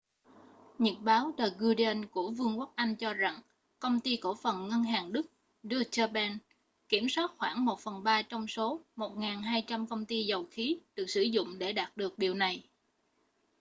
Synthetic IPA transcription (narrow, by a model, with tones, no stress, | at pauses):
ɲə˨˩t̚ɓaː˨˦wt̪əː˨˩ɣu˧ɗi˧ə˧nku˧˩əvɨ˧əŋku˦˥k̚ʔa˧jŋ̟t͡ɕɔ˧za˨˩ŋ | kə˧wŋ͡mt̪i˧ko˧˩fə˨˩nŋə˧nɦaː˨˩ŋɗɨ˦˥k̚ | ɗɨ˧ət͡ɕəː˧ɓɛ˧n | ki˧˩əmswaː˦˥t̚xwaː˧˩ŋmo˨˩t̚fə˨˩nɓaː˧t͡ɕɔ˧wŋ͡mso˨˦mo˨˩t̚ŋaː˨˩nɦaː˧jt͡ɕa˧mkə˧wŋ͡mt̪i˧zə˨˩wxi˨˦ɗɨ˨˩ək̚sɨ̰˧˩zʊ̰˧˨ŋ͡mɗe˧˩ɗaː˨˩t̚ɗɨ˨˩ək̚ɗi˨˩əwna˨˩j